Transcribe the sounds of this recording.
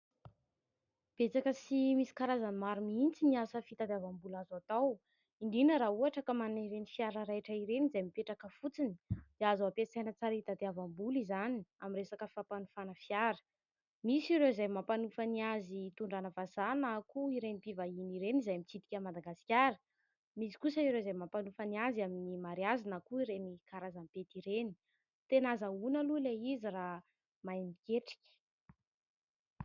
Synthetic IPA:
b̥et͡sakəsimisi̥kaɾazanmaɾumiint͡siniasəfit̪ad̪avambulazat̪aw | iɳɖ͡ʐinəɾauaʈ͡ʂəkəmanniɾenifiaɾəɾaʈ͡ʂəiɾenizajmipeʈ͡ʂakəfut͡sini̥d̪̥eazaapesajnət͡saɾit̪ad̪eavambulizaniamiresakəfapanufanəfiaɾə̥ | misiɾewizajmapanufəniazit̪uɳɖ͡ʐanəvazanakuiɾenipivaɦiniɾenizajamit͡sit̪i̥kʲəmad̪aɡasi̥kʲaɾə̥ | misi̥kusəiɾewzajmampanufaniazaminimaɾiazanakuiɾenikaɾazampet̪iɾeni̥ | t̪enazəunəluleizira | majnikʲeʈ͡ʂi̥kʲə̥

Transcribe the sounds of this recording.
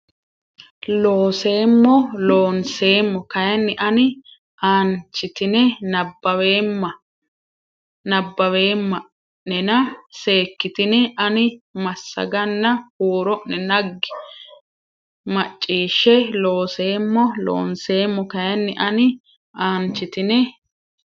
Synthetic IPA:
lo̞ːse̞ːmːɔlo̞ːnse̞ːmːɔkɐjɐnːɪʔɐnɪ | ʔaːnt͡ʃːɪt̪ɪnɛnɐbːɐweːmːɐ | nɐbːɐwe̞ːmːɐ | nːɛnɐse̞ːkːɪt̪ɪnɛʔɐnɪmɐsːɐ̰ɡɐnːɐhuːɾɔʔɛnɐɡːɪ̥ | mɐt͡ʃʼːiːʃːɛlo̞ːse̞ːmːɔlo̰ːnse̞ːmːɔkɐjɐnːɪʔɐnɪ | ʔaːnt͡ʃːɪt̪ɪnɛ

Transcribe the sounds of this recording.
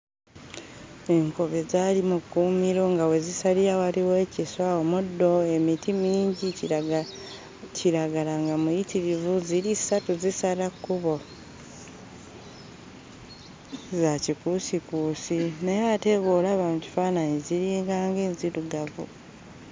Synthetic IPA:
e̞ŋko̞βe̞zaːlimukumiɾo̞ŋɡawe̞zisaliɾawaliwe̞ciswaomudːo̞e̞mitimiːɲɟi | ciɾaɡalaŋɡamujitiɾivuziɾisatuzisalakːuβo̞ | zacikusikuːsinejaːte̞βoːlaβamuci̥faːnaɲiziɾiːŋɡaːŋɡe̞ːnziɾuɡavṵ

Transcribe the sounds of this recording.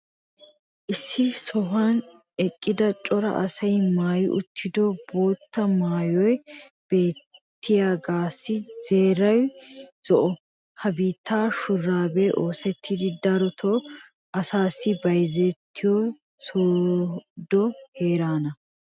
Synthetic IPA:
ʔɪsːɪsɔɦɐn | ɛkʼːɪd̪ɐt͡ʃʼɔɾɐ̰ʔɐ̰sɐjmaːjɪ̰ʔʊt̪ʰːɪd̪ɔboːt̪ːɐmaːjɔj | b̥e̞ːt̪ʰːɪjaːɡaːsːɪz̥e̞ːɾɐwz̥ɔʔɔ | hɐbiːt̪ːaːʃʊrːaːbɛʔoːsɛt̪ʰːɪd̪ɪd̪ɐɾɔt̪ʰɔ | ʔɐsaːsːɪbɐjzɛt̪ʰːɪjɔ | suː | d̪ɔheːɾaːnɐ

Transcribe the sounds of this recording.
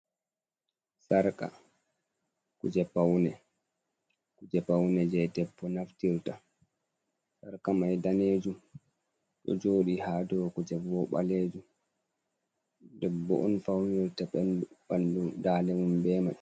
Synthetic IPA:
saɾka̰ | kud͡ʒɛpawnɛ | kud͡ʒɛpawnɛd͡ʒɛjdɛpːɔnaftiɾta | saɾkamajdaneːd͡ʒum | ɗɔ̰d͡ʒoːɗihadɔkud͡ʒɛɔɓa̰leːd͡ʒum | dɛbːɔ̰ʔɔnfawniɾtaɓɛnbandudaːlɛmumbɛma

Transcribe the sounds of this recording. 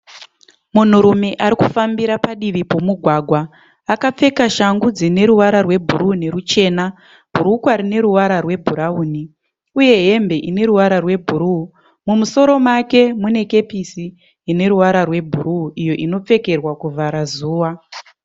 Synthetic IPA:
mun̤uɾume̞ʔaɾikufambiɾapaɗiʋipo̞muɡʱwaːɡʱwaː | kap͡fe̞kaʃaŋɡud͡zine̞ɾuʋaɾarwe̞bʱuɾune̞ɾut͡ʃe̞ːna | bʱuɾukwaɾine̞ɾuʋaɾarwe̞bʱuɾauːni | uje̞ɦe̞mbe̞ʔine̞ɾuʋaɾarwe̞bʱuɾu | mumuso̞ɾo̞make̞mune̞ke̞pisi | ine̞ɾuʋaɾarwe̞bʱuɾuːʔijo̞ʔino̞p͡fe̞ke̞rwakuvʱaɾazuːwa

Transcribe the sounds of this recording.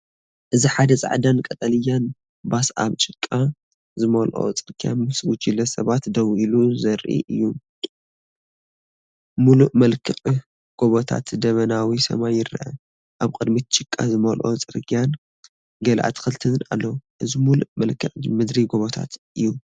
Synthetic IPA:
ʔɨziħad̪ɐzʼa̰ʕd̪ankʼɐt̪ʼɐlɨjan | basa̰βt͡ʃʼɪkʼːa | zɨmolʔo̰t͡sʼɨɾɡʰʼjanmɨswʊt͡ʃʼilɐsɐβat̪d̪ɐwiluzɐɾʔḭʔɨjːu | muluʔmɐlkʰɨχʼ | ɡ̥oβot̪ʰa̰t̪d̪ɐβɐnawisɐ̰majːɪɾʔɐ̰ | ʔaβkʼɨd̪mit̪t͡ʃʼɨkʼːa̰zɨmolʔo̰t͡sʼɨɾkʰʼijan | ɡɐlʔa̰t̪kɨlt̪ʰɨna̰lːoʔɨzimuluʔmɐlkʰːɨʔʼmɨd̪ɾiɡoβot̪ʰa̰t̪ʔɨjːu

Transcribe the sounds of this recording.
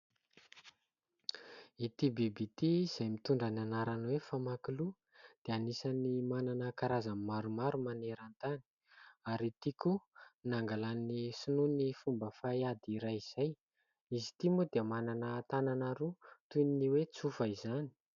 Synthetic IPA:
it̪ibibit̪iiz̥ajmit̪uɳɖ͡ʐananaɾanwefamakilu | d̪̥eanisanimananəkaɾazammaɾumaɾumaneɾant̪ani̥ | aɾit̪ikunaŋɡalannisununifumbəfajad̪iɾajiz̥aj | izi̥t̪imud̪eəmananət̪ananaɾut̪uniniwet͡sufəizani̥

